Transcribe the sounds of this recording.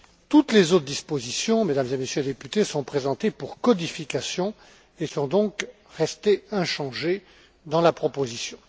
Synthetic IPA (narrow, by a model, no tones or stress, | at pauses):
t̪ut̪lezot̪χd̪ispozisjɔ̃med̪amzemesjøled̪epyt̪esɔ̃pχezɑ̃t̪epuʁkɔd̪ifikasjɔ̃ | esɔ̃d̪ɔ̃k | ʁɛst̪eɛ̃ʃɑ̃ʒe | d̪ɑ̃lapχɔpozisjɔ̃